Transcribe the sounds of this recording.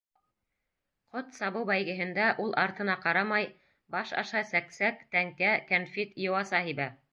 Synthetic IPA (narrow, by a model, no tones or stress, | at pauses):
qot̪sɑβɤwbæjɡɘ̆ɦɘ̆nd̪æʔulˠʔɑɾt̪ɤ̆nɑqɑɾɑmɑj | bɑʃɑ̰ʃɑsæksækt̪æŋkækænfit̪jŏwɑsɑhiβæ